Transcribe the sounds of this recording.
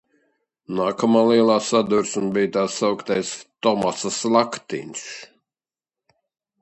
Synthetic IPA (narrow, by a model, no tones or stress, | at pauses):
naːkamaːlˠiɛlˠaːsad̪uɾsunbijt̪aːsːawkt̪ajst̪ɔmasaslˠakt̪ḭnʲs